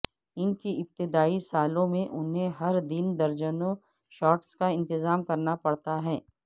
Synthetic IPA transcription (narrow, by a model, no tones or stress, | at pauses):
ɪnkiɪp̚t̪ɪd̪aːisaːlõmẽʔʊnɦẽɦɐɾd̪ɪnd̪ɐɾd͡ʒənõ | ʃɔːʈskaɪ̃nt̪ɪzaːmkɐɾnapɐɽt̪aɦɛː